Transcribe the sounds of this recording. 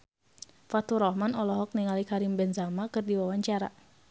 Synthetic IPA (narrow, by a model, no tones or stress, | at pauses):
fat̪uɾɔhmanɔlɔɦɔk̚niŋalikaɾimbɛnsamakɨrdiwawaɲt͡ʃaɾa̰